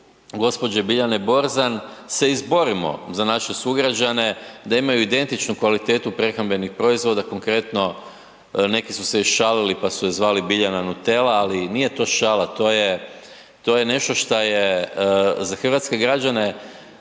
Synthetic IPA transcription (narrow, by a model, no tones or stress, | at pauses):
ɡo̞spo̞d͡ʑebiʎanebo̞ɾzanse̞izbo̞ɾimo̞̰zanaʃesuɡɾad͡ʒane̞d̪aimajuid̪e̞nt̪it͡ʃnukʋalit̪et̪upɾe̞xambʎe̞nixpɾo̞izʋo̞d̪ako̞ŋkɾe̞t̪no̞ | ne̞kisusejoʃʃalilipasuzʋaːlibiʎananut̪e̞laːlinijet̪o̞ːʃaːlat̪o̞ːje | t̪o̞je̞ne̞ʃt̪o̞ʃt̪aje | zaxr̩ʋat̪ske̞ɡɾad͡ʒane̞